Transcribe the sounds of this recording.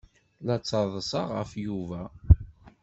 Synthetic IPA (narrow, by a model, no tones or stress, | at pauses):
læt͡sːəðˤəsɑʁə̰fjuvæ